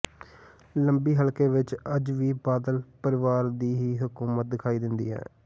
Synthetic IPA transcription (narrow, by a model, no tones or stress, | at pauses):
ləmbiːɦəlkeːʋɪt͡ʃəd͡ʒʋiːbaːd̪əlpəɾɪʋaːɾd̪iːɦiːɦʊkuːmət̪̚d̪ɪkʰaːiːd̪ɪnd̪ḭːɦɛ̰ː